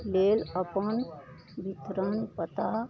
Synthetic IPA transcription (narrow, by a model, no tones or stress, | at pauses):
leləpən | bit̪ɾənpət̪a